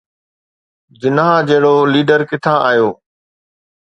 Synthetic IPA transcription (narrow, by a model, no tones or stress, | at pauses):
d͡ʑɪnãd͡ʑeɦɽoːliːɖəɾkɪt̪ʰãːaːjoː